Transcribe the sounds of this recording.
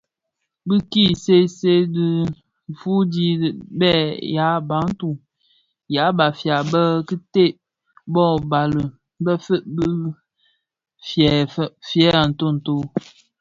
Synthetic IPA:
bɨ˦ki˦˨se˦se˦di˦˨ | fu˦di˦˨bɛ˦˨ja˨˦ba˨˦ŋ̩˦tu˨ | ja˨˦ba˨fja˨bə˦ki˦te˦˨ | bɔ˦˨ba˨lɨ˨ | bə˦fə˦ʔbə˦ | fjɛ˨ffjɛ˦a˨n̩˨to˦˨n̩˨to˦

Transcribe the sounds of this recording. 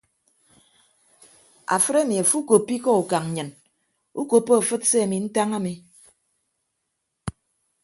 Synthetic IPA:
a̰˨fɨ˦ɾe˦mi˨a˨fu˦ko˨pːi˦kɔ˦u˨ka˨ŋ˨ɲɨ˨n | u˦ko˨pːo˦a˨fɨ˦t̚se˦a˨mi˨n̩˦ta˦ŋa˦mi˨

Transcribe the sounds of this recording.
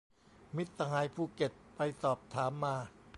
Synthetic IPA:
mi˦˥t̪̚sa˧haː˧˥jpʰuː˧˩ke˨˩t̪̚pa˧jsɔː˨˩p̚t̪ʰaː˩˦mːaː˧

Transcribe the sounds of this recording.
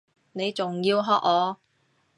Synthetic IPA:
ne˨˧jt͡sʊ˨ŋjiː˧wɦɔː˧k̚ɔː˨˧

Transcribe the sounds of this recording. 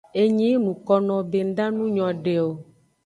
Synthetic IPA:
e˦ɲĩ˦nũ˨kɔ˦nɔ̃˨be˦n̩˦ɖa˦nũ˦ɲɔ̃˨ɖe˨o˨

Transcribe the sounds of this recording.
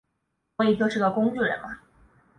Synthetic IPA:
i˥˩t̪ʰɤ˥ʈ͡ʂɻɤ˥˩ɡə˩kʊ˥ŋy˥˩ɻə̰˧˥nma˧

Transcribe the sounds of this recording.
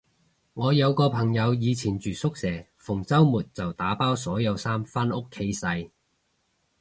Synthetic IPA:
ŋɔː˨˧jɐ˨˧wkɔː˧pʰɐ˨˩ŋjɐ˨˧wjiː˨˧t͡sʰiː˨˩nt͡ʃyː˨˩sʊ˥k̚sɛː˨˩fʊ˨˩ŋt͡sɐ˥wmuː˨˩t̚t͡sɐ˨wt̪aː˨˥paː˥wsɔː˨˥jɐ˨˧wsaː˥mfa˥nʊ˥kʰːe˨˥jsɐ˧j

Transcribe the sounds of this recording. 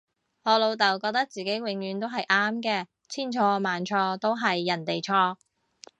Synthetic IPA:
ŋɔː˨˧lo˨˧wt̪ɐ˨˩wkɔː˧k̚t̪ɐ˥k̚t͡siː˨ke˨˥jwɪ˨˧˥ŋjyː˨˧nt̪o˥wɦɐ˨jʔaː˥mkɛː˧ | t͡sʰiː˥˩nt͡ʃʰɔː˧maː˨nt͡ʃʰɔː˧t̪o˥wɦɐ˨jːɐ˨˩nt̪e˨jt͡ʃʰɔː˧k̚

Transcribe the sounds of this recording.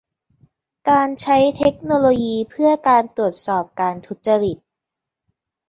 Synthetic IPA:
kaː˧nt͡ɕʰa˦˥jt̪ʰe˦˥k̚noː˧loː˧jiː˧pʰɯ˥˩əkaː˧nt̪u˨˩ət̪̚sɔː˨˩p̚kaː˧nt̪ʰu˦˥t̪̚t͡ɕa˧ɾi˨˩t̪̚

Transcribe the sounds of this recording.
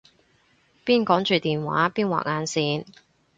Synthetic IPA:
piː˥nkɔː˨˥ŋt͡ʃyː˨t̪iː˨nwa̰ː˨˥piː˥nwa̰ː˨˩ŋaː˨˧nsiː˧n

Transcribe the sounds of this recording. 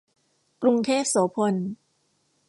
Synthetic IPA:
kɾu˧ŋt̪ʰeː˥˩p̚soː˩˦pʰo˧n

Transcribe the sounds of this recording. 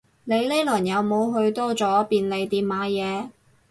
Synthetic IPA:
ne˨˧jle˥lɔː˨˩njɐ˨˧wmo˨˧wɦɵ˧ɥt̪ɔː˥t͡sɔː˨˥piː˨˧nle˨˧jt̪iː˨˧mmaː˨˧jɛː˨˧

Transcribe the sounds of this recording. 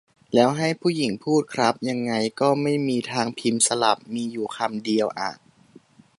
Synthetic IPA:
lɛː˦˥wɦa˥˩jpʰuː˥˩ji˨˩˦ŋpʰuː˥˩t̪̚kʰɾa˦˥p̚ja˧ŋːa˧jkɔː˥˩ma˥˩jmiː˧t̪ʰaː˧ŋpʰi˧msa˧la˨˩p̚miː˧juː˨˩kʰa˧mdi˧əwʔa̰ː˨˩

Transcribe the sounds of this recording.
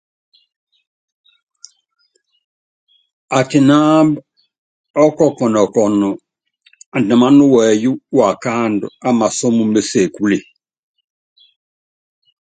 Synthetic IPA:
a˨ti˨na˦b | ɔ˦kɔ˦kɔ˨nɔ˨kɔ˨nɔ˨ | a˨n˨da˨ma˦nu˦wɛ˨ju˦wa˨ka˦ndṵ˨a˦ma˨so˦mu˦mbe˦se˨ku˦le˨

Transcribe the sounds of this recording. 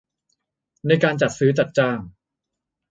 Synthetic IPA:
na˧jkaː˧nt͡ɕa˨˩t̪̚sɯː˦˥t͡ɕa˨˩t̪̚t͡ɕaː˧˥˩ŋ

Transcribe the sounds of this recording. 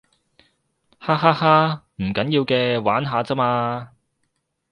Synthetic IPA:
haː˥ɦaː˥haː˥ | m̩˨˩kɐ˨˦˥njiː˧wkɛː˧waː˨˥nɦaː˨˧t͡sɐ˥maː˧

